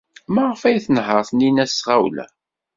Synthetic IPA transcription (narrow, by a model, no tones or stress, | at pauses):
mæʁəfæjθənɦəɾˤθninæsʁawlæ̰